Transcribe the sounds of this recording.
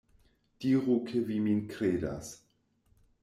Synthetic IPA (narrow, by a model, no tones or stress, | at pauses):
d̥iːʁukʰeviminkɾeːda̰s